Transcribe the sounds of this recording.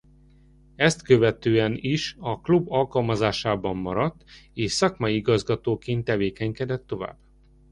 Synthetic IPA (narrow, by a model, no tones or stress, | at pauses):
ɛst̪køvɛt̪øːɛniʃɒklubɒlkɒlmɒzaːʃaːbɒmːɒɾɒt̪ːeːʃsɒkmɒjiiɡɒzɡɒt̪oːkeːnt̪ːɛveːkɛŋkɛd̪ɛt̪ːo̞va̰ːbː